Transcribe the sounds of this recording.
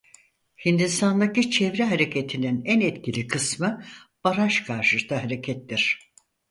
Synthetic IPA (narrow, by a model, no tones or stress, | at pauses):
hind̪ist̪ʰand̪acit͡ʃʰevɾɛɦaɾe̞cʰet̪ʰininænɛt̪cilʲikʰɯsmɯb̥aɾaʃkʰaɾʃɯt̪ahɦaɾecʰɛt̪ːiɾ̥